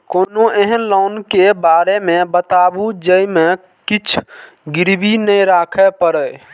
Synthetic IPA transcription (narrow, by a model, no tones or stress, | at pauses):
konoeɦənlɔnkebaɾemebət̪abud͡ʒəime | kit͡ʃʰ | ɡiɾbinəjɾakʰɛpəɾə